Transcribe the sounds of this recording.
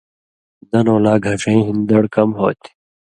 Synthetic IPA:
d̪ɐnoːlaːɡʱɐʂẽĩɦind̪ɐɽkɐmɦoːt̪i̥

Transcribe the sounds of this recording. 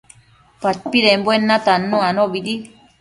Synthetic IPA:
patpiɾembwenːat̪anːũanoβidi

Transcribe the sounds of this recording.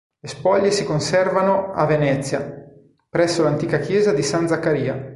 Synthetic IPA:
lespɔʎːesikonsɛrvanoavːenɛt̪sːja | pɾɛsːolant̪iːkakjɛːzad̪isand̪zakːaɾiːa

